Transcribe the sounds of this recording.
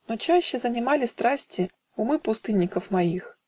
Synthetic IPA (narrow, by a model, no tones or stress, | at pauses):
not͡ɕæɕːɪzənʲɪmalʲɪst̪ɾasʲtʲɪ | ʊmɨpʊst̪ɨnʲːɪkəfmɐix